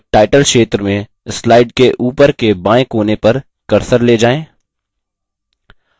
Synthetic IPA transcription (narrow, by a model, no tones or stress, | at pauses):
ʈaːɪʈəlʃeːt̪ɾəmẽ | slaːɪɖ̚keʔuːpəɾkebãːẽkoːnepɐɾ | kɐɾsəɾleːd͡ʒaːẽː